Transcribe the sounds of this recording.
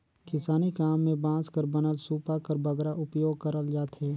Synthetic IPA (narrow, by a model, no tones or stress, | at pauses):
kɪsaːnikaːmːẽbãːskəɾbənəlsuːpakəɾbəɡɾaʔʊpjoːɡ̚kəɾəld͡ʒaːt̪ɦeː